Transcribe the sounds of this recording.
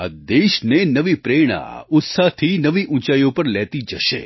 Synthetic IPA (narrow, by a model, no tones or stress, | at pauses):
a̰d̪eʃnenəʋipɾeɽ̃ã̰ʊt̪saɦt̪ʰinəʋiʔũt͡ʃajõpəɾlɛt̪id͡ʒəʃḛ